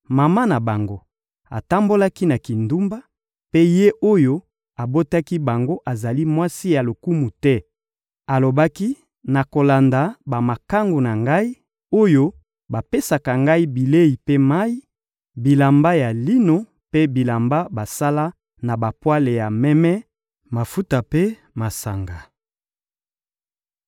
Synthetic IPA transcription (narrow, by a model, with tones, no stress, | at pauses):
ma˨ma˦na˨ba˨ŋɡo˦ | a̰˨ta˦mbo˦la˦ki˦na˨ki˨ndu˦mba˦ | pe˦je˦ʔo˦jo˦ | a˨bo˦ta˦ki˦ba˨ŋɡo˦ʔa˨za˨li˦mwa˦si˦ja˨lo˨ku˦mu˨tɛ˦ | a˨lo˨ba˦ki˦ | na˨ko˨la˨nda˨ba˨ma˨ka˦ŋɡo˨na˨ŋɡa˦i˦ | o˦jo˦ | ba˨pe˦sa˨ka˨ŋɡa˦i˦bi˨le˦i˨pe˦ma˦i˦ | bi˨la˨mba˦ja˨li˦no˨ | pe˦bi˨la˨mba˦ba˨sa˦la˦ | na˨ba˨pwa˦le˨ja˨mɛ˦mɛ˦ | ma˨fu˦ta˨pe˦ | ma˨sa˨ŋɡa˨